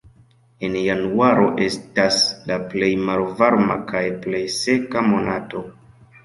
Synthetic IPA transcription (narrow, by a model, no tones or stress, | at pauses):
e̞njanuaɾo̞ʔe̞staslaple̞jmalvaɾma̰kajple̞jsekamo̞nato̞